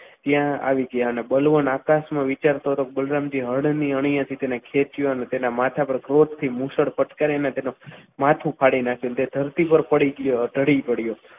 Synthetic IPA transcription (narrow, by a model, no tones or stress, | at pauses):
t̪jãa̰ʋiɡəjaənebəlʋənakasmãʋit͡ʃaɾt̪oɦət̪okebəlɾamd͡ʒiɦəɽniəɳ̃ijãt̪ʰit̪enekʰet͡ʃjoənet̪enamat̪ʰapəɾkɾot̪t̪ʰːimũʃəɽpəʈkaɾeənet̪enomat̪ʰũpʰaɽinakʰent̪ed̪ʱəɾt̪ipəɾpəɽiɡjoɖʱəɽipəɽijo